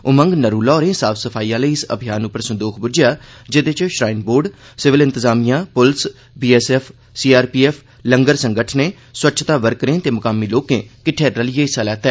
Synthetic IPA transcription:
ʊmə̃ŋɡnəɾuːlɔːɾẽːsaːsəpʰaːiːãːləiːɪsə̰bʱijaːnʊpːəɾsʊ̃nd̪oːkʰbʊd͡ʒɪjaːd͡ʒɪd̪et͡ʃʃɾaːɪnboːɾɖ | sɪʋɪlɪ̃nt̪ɪzaːmijãːpʊls | biːɛːsɛːpʰ | siːaːɾpiːɛːpʰ | ləŋɡəɾsəŋɡəʈʰneː | swətːt͡ʃʰt̪aːʋəɾkɾẽːt̪eːmʊkaːmiːloːkḛ̃ːkɪʈʰeːəlɪjeːɪsaːlɛːt̪ɛː

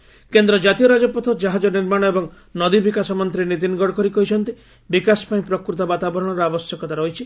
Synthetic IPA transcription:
kend̪ɾɔd͡ʒat̪ijɔɾad͡ʒɔpɔt̪ʰɔd͡ʒaɦad͡ʒɔniɾmaɽ̃ɔebɔŋ | nɔd̪ibikasɔmɔnt̪ɾinit̪̬inɡɔɽɔkɔɾikɔɦit͡ʃʰɔnt̪i | bikasɔ̥paĩpɾɔkɾut̪ɔbat̪abɔɾɔɽ̃ɔɾɔabɔsjɔkɔt̪aɾɔɦit͡ʃʰi

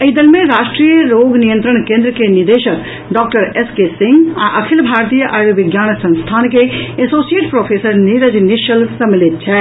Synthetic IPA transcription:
ɐid̪ɐlmẽɾaːʃʈɾijəɾoːɡnijə̃nt̪ɾəɳ̃kẽːnd̪ɾəkeniɾd̪eːʃək | ɖɔːk̚ʈəɾeskesĩŋɡa̰ʔəkʰilbʱaːɾt̪ijəʔaːɾjoʋɪɡjaːnsɐ̃nst̪ʰaːnkeesoːsijeʈpɾopʰesəɾniɾəd͡ʒniʃəlsɐmilit̪̚t͡ʃʰɛ

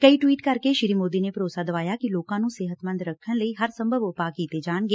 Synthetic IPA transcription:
kəiːʈwiːʈkəɾkeʃɪɾiːmoːd̪inepəɾoːsaːd̪ɐʋaːjaːkiloːkãːnũːseːɦət̪mə̃nd̪ɾəkʰːəñləiːɦəɾsə̃mbʱəbʊpaːkiːt̪ed͡ʒaːɳɡeː

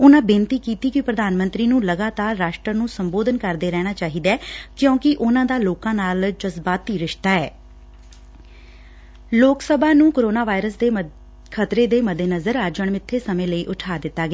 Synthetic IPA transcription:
ʊnãːbɪ̃nt̪iːkiːt̪iːkɪpɾəd̪aːnmə̃nt̪ɾiːnũːləɡaːt̪aːɾːaːʃʈɾənũːsəmboːd̪ənkəɾd̪eːɾɛːɽ̃aːt͡ʃaːɦiːd̪aɛːkjõːkɪʔʊnãːd̪aːloːkãːnaːld͡ʒəzbaːt̪iːɾɪʃt̪aːɛː | loːksəbʱãːnũːkoːɾoːnaːʋaːɪɾəsd̪eː | kʰət̪ɾeːd̪eːməd̪ʱeːnəzəɾaɾd͡ʒəɳmɪt̪ʰːeːsəmẽːləiːʔʊʈʰaːd̪ɪt̪ːaːɡaː

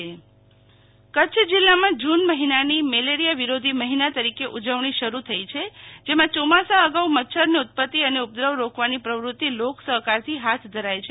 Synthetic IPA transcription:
kətːt͡ʃʰd͡ʒilːamãd͡ʒunməɦinanimeleɾijaʋiɾod̪ʱiməɦinat̪əɾikeʔud͡ʒəʋɳ̃iʃəɾut̪ʰəit͡ʃʰed͡ʒemãt͡ʃomasaəɡaumət̪ːʃʰəɾniut̪̚pət̪ːiəneup̚d̪ɾəʋɾokʋanipɾəʋɾut̪ːiloksəɦkaɾt̪ʰiɦat̪ʰd̪ʱəɾajt͡ʃʰe

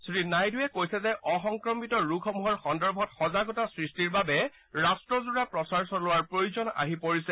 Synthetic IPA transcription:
sɹinajdʊjɛkojsɛzɛʔɔxɔŋkɹɔmitɔɹukʰɔmuɦɔɹxɔndɔɹbʱɔtxɔzaɡɔtasɹistiɹbabɛ | ɹastɹɔzuɹapɹɔsaɹsɔlʊwaɹpɹojuzɔna̰ɦipoɹisɛ

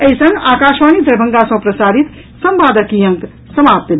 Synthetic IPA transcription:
eɦisə̃ŋɡakaʃʋanid̪əɾbʱəŋɡasə̃pɾəsaɾit̪ | səmbad̪əkijə̃ŋk | səmap̚t̪el

